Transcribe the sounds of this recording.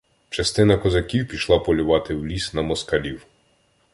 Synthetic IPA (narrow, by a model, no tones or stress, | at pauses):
t͡ʃɐst̪ɪnɐkɔzɐkʲiwpʲiʃlˠɑpɔlʲʊʋɑt̪ɪwlʲisnɐmɔskɐlʲiw